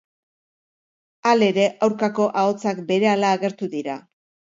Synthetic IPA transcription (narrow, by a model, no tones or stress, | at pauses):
ale̞ɾe̞ʔawɾkako̞ʔao̞t͡sakbe̞ɾe̞alaːɣe̞ɾt̪uðiɾa